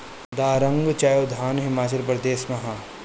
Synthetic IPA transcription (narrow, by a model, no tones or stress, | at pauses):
d̪aːɾɐ̃ŋɡt͡ʃaːjod̪ʱaːnɦɪmaːt͡ʃɐlp̬ɾɐd̪eːsmɐɦaː